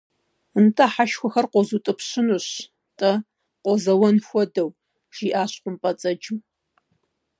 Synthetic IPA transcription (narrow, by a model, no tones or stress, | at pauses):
ɨntʰʼaħaʃxʷɔxɐrqʷɔzutʼɨpɕɪnuɕ | tʼɐ | qʷɔzɐwɔnxʷɔdɐw | ʒ̥iːʔaːɕqʷʊmpʼɐt͡sʼɐd͡ʒɨw